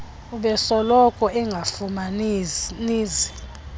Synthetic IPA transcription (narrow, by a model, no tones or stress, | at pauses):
uɓɛsɔlɔkʰʼɔɛŋɡʱafuma | niːzi